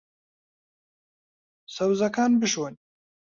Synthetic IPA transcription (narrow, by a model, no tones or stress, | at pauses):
sawzakɑːnbiʃwan